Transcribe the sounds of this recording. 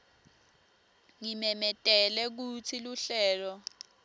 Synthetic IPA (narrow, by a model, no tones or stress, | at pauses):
ŋimɛmɛtʼɛlɛk̬ut͡sʰiluɬɛːlɔ